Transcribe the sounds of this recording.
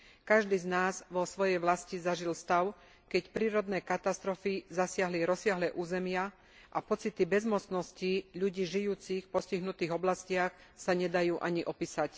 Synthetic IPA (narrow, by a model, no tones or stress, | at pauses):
kaʒd̪iːznaːzʋɔsʋɔjɛjʋlascizaʒilst̪aʊ | kɛcpɾiːɾɔd̪nɛːkat̪ast̪ɾɔfizasɪaɦliɾɔsɪaɦlɛːʔuːzɛmɪa | ʔapɔt͡sit̪ibɛzmɔt͡snɔsciʎuɟiːʒijuːt͡sixpɔsciɦnut̪iːɣɔblascɪaxsaɲɛd̪ajuːʔaɲiʔɔpiːsac